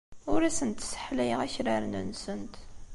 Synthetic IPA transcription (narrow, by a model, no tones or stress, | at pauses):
ʊɾæsənt̪sə̥ħlæjəʁæçɾaɾnə̰nsənt̪